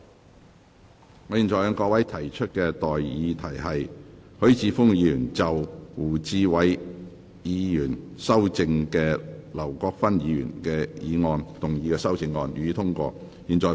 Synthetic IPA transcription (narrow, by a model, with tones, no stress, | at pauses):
ŋɔː˨˥jiː˨nt͡sɔː˨jœː˨˧ŋkɔː˧wɐ˨˥jt̪ʰɐ˨˩jt͡ʃʰɵ˥t̚kɛː˧t̪ɔː˨jjiː˨˧t̪ʰɐ˨˩jɦɐ˨jhɵ˨˥ɥt͡siː˧fʊ˥ŋjiː˨˥˧jyː˨˩nt͡sɐ˨wwuː˨˩t͡siː˨˧wɐ˨˥j | jiː˨˧jyː˨˩nsɐ˥wt͡sɪ˧ŋkɛː˧lɐ˨˩wkɔː˧k̚fɐ˥njiː˧jy̰ː˨˩nkɛː˧jiː˨˧ŋɔː˧nt̪ʊ˨˩ŋjiː˨˧kɛː˧sɐ˥wt͡sɪ˧ŋːɔː˧nyː˨˧t̪ʰʊ˥ŋkʷɔ̰ː˧ | jiː˨nt͡ʃɔː˨